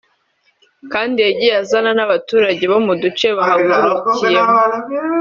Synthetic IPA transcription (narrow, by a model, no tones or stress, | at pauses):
kaːndieɟijazananaβatuːɾaɟe̞βo̞mudut͡ʃe̞βaɦaɡuɾucije